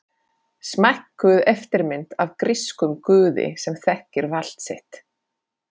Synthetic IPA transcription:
smajhkːʏðɛft̪ɪɾmɪnt̪avkɾɪskʏmkʏːðɪ̰sɛmθɛhcɪɾval̥t̪sɪht̪

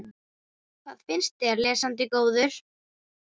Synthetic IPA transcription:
kʰθaðfɪnst̪ɛɾlɛːsant̪̬ɪkoːwðʏɾ̥

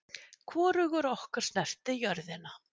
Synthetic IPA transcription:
kʰvɔːɾʏɣʏɾɔhkaɾ̥snɛr̥t̪ɪjœɾðɪna

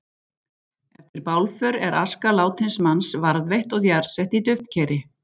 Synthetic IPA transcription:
ɛft̪ɪɾpawlfœɾɛ̰ɾa̰skalaːwt̪ʰɪnsmansvaɾðvejht̪ɔɣðjaɾsɛht̪it̪ʏft̪cʰɛːɾɪ

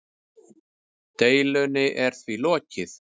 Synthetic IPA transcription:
t̪eːjlʏnɪʔɛɾ̥θvilɔːcɪθ

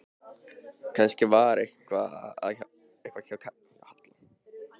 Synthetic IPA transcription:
kʰanscɪvaɾehkvaað | ehkvacʰakʰa | hat̪lɪ

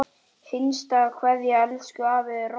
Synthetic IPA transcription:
fɪnst̪akʰvɛðjaɛlskʏaːvɪðr

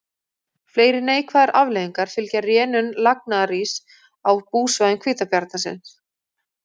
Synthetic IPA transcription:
fleːjɾɪneːjkʰvaðɪɾʔavleːðiŋkaɾ̥fɪlcarjɛːnʏnlak̚naðariːs | awpuːsvajðɪnkʰviːt̪apjaɾt̪̚nasɪ̰ns

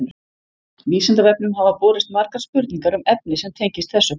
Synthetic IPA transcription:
viːsɪnt̪avɛpnʏmɦavapɔːɾɪst̪maɾkaɾ̥spʏɾt̪niŋkaɾʏmɛp̚nɪsɛmt̪ʰejɲcɪst̪θɛsːʏ

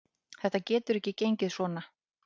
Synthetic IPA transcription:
θɛht̪acɛːt̪ʏɾɛhcɪcejɲcɪðsvɔːna

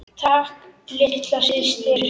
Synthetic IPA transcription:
t̪ʰaːklɪht̪lasɪst̪ɪɾ

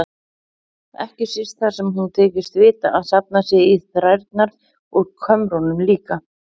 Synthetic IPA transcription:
ɛhcɪsist̪θḁsɛmhunt̪ʰeːcɪst̪vɪːt̪a̰ʔaðsapnasjɪiθɾajɾt̪naɾð | ɔɣkʰœmɾɔnʏmliːka

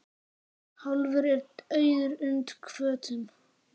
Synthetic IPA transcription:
hɔlvəɾɛɾt̪œjðʏɾʏnt̪kʰvœːt̪ʰʏn

